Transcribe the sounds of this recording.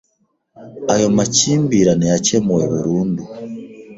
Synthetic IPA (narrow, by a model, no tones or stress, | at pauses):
ajo̞maciːmbiɾanejacemuweβuɾuːndu